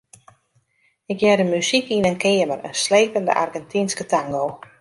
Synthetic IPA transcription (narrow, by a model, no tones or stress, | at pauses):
ɪkjɛdəmysikinənkɪəmərə̰nsleːpəndə̰ʔa̰rɡɛntʰinskətʰaŋɡoː